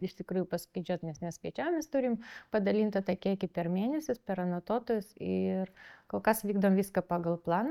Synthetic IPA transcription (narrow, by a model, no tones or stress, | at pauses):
ɪʃʲt̪ʲɪkɾuːjʊpɐskʲɛɪd͡ʒʲoːt̪nʲɛsmʲɛsʲpʲɛt͡ʃʲæːmʲɛst̪ʊɾʲɪmpɐd̪ɐlʲiːnt̪ɐt̪ɐkʲiɛɪkʲɪpʲɛrmʲeːnʲɛsʲɪspʲɛɾɐnɐt̪oːt̪oːjʊsɪrkoːlˠkɐsʋʲiːɡd̪ɐʋomʋʲiːskɐpɑːɡɐlˠplˠɑːn